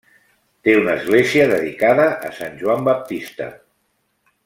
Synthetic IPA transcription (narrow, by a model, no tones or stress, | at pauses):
t̪eunəːzɣleziəðəðikaðəʔːsanʲʒuambap̚t̪ist̪ə̰